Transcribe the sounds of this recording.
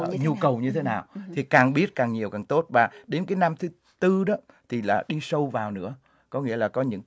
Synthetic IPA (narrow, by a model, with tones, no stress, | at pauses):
ɲu˧kə˨˩wɲɨ˧t̪ʰe˨˦naː˨˩wt̪ʰi˨˩kaː˨˩ŋɓi˦˥ət̚kaː˨˩ŋɲi˨˩əwkaː˨˩ŋt̪o˦˥t̚vaː˨˩ɗe˨˦nkaː˨˦jna˧mt̪ʰɨ˨˦ | t̪ɨ˧ɗɔ˨˦ | t̪ʰi˨˩laː˨˩ɗi˧sə˧wvaː˨˩wnɨ̰˧˥ə | kɔ˨˦ŋḭ˧˥əlaː˨˩kɔ˨˦ɲɨ̰˧˥ŋ